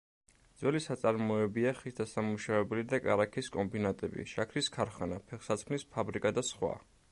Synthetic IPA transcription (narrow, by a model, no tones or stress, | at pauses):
d̪zwɛlisat̪sʼaɾmɔɛbiaχisd̪asamuʃavɛbɛlid̪akʼaɾakʰiskʼɔmbinat̪ʼɛbḭʃakʰɾiskʰaɾχanapʰɛχsat̪sʰkʰnispʰabɾikʼad̪asχwa̰